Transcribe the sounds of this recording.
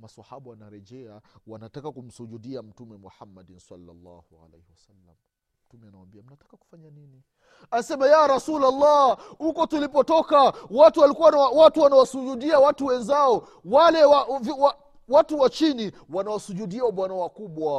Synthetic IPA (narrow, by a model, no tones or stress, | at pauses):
masahaɓawanaɾɛʄɛawanatakakum̩suʄuɗiam̩tumɛmuħamːadinsa̰lːa̰lːɑ̰hua̰lḛjhiwasalːa̰m̩ | tumɛanawambiam̩natḁkaku̥faɲanini | asɛmajaɾasulalːahukɔtulipɔtɔkawatuwalikuwawawatuwanawasuʄuɗiawatuwɛnzaɔ | walɛwavwa | watuwat͡ʃini | wanawasuʄuɗiawaɓwanawakuɓwa